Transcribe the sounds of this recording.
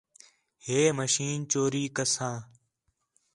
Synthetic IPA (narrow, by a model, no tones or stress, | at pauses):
heːməʃiːnt͡ʃoːɾiːkəsãː